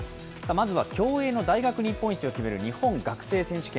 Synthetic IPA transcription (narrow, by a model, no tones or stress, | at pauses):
sɨ̥ | t̪amazɨβakʲo̞ːe̞ːno̞d̪aiɡakɯ̟ɲ̟ʲipːo̞ĩɲ̟t͡ɕio̞kʲime̞ɾɯ̟ɲ̟ihõ̞ŋɡakɯ̟̥se̞ːsẽ̞ɕɨ̥kẽ